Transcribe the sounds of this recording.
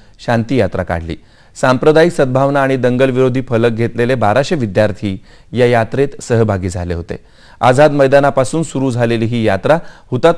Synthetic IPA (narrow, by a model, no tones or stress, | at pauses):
ɕant̪iːjat̪ɾa̰ka̰ɽ̤lḭː | sampɾəd̪aiksəd̪̚bʱaʋnaːɽ̃id̪əŋɡəlʋiɾod̪ʱiːfələk̚ɡʱet̪lelebaɾaɕeʋid̪jaɾt̪ʰiː | jajat̪ɾet̪səɦbʱaɡiːd͡zʱa̰lḛɦot̪ḛ | ad͡zad̪məjd̪anapasuːnsuɾuːd͡zʱaleliːɦiːjat̪ɾahut̪at̪